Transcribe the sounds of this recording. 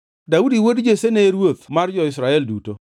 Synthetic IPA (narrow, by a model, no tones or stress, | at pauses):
daudiwodd͡ʒeseneɾwot̪mard͡ʒɔɪsɾaɛlduto